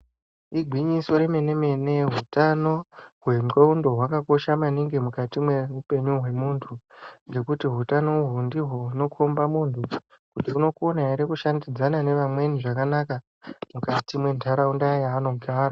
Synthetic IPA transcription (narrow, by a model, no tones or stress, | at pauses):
iɡʱwiɲiso̞ɾe̞me̞ne̞me̞ne̞ɦutano̞ɦwe̞mkeundo̞ɦwakako̞ʃamaniŋɡe̞mukatimwe̞rupe̞ɲuɦwe̞muːntʰuŋɡe̞kutiɦutano̞uɦundiɦouno̞kʰombamuntʰu | kutiuno̞konaiɾekuʃandid͡zanane̞ʋamwe̞niʐakanaka | mukatimwe̞ntʰaɾaundajaːno̞ɡʱaːra